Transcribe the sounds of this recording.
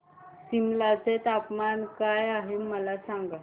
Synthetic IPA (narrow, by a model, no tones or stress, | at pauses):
simlat͡set̪apmankajaɦemːəlasaŋɡa